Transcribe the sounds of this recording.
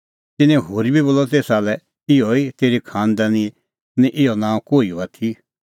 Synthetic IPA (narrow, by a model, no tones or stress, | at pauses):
t̪ɪnɛ̃ɦoːɾibʱiboːlɔt̪eːsaːlɛ | ɪɔit̪eːɾikʰãːnd̪ani | nĩʔɪɔnãːkoːio̰at̪ʰi